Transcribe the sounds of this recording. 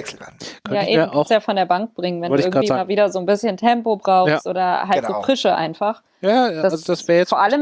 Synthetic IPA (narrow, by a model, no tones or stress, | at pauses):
ɛl̩kʰœnjaːʔeːiːmʔsjaːfɔndeːɐbaŋk̚b̥ʁɪŋənvɛnvɔlɪɪɡŋaːv̥iːmaːlviːdɐzoːnbɪsçəntʰɛmpobʁaʊjatʔo̰ːdɐɦaltz̥oːfʁ̥ɪʃəʔa̰ɪnfaχ | jaːdasazod̥asv̥ɛːɐjɛfoːɐʔaləm